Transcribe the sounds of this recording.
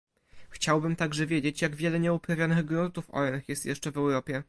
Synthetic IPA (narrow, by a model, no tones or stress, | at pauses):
xt͡ɕawbɘmt̪aɡʐɛvʲjed͡ʑet͡ɕjaɡvʲjɛlɛɲɛupɾavʲjanɘɣɡɾunt̪ufɔ̰ɛnxjɛst̪jɛʂt͡ʂɛvɛwɾɔpʲjɛ